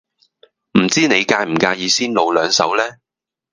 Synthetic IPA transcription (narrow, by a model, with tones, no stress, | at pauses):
m̩˨˩t͡siː˥ne˨˧jkaː˧jm̩˨˩kaː˧jiː˨˧siː˥nlo˨˧wlœː˨˧ŋsɐ̰˨˥wlɛː˥